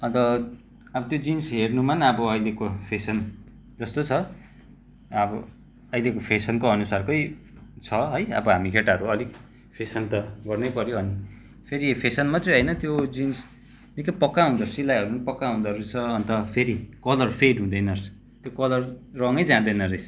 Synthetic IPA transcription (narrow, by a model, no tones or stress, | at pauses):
ʌt̪ʌ | ʌbʌt̪jod͡zinsɦernumanʌbʌʌjlekopʰesʌn | d͡zʌst̪ot͡sʰʌ | ʌbʌ | ʌjlekopʰesʌnkoʌnusarkʌjt͡sʰʌɦʌjʌ̰bʌɦamikʰeʈaɦʌɾuʌlik | pʰesʌnt̪ʌɡʌrnʌjpʌɾjoʌni | pʰeɾipʰesʌnmʌt̪reɦʌjnʌt̪jod͡zins | nikʌjpʌkːaɦũnd̪ʌsilajɦʌɾunpʌkːaɦũnd̪ʌɾut͡sʰʌːnt̪ʌpʰeɾikʌlʌrpʰeɖɦũd̪ʌjnʌrs | t̪jokʌlʌrrʌŋʌjd͡zãd̪ʌjnʌresʰ